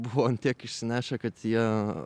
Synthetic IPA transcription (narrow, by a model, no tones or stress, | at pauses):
bʊʋont̪ʲiɛkɪʃʲsʲɪnʲæːʃʲɛkɐt̪jiɛ